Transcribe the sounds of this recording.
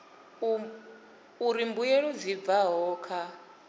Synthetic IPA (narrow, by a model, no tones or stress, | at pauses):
uɾimbujeɺud͡zib̪vaɦɔːkʰa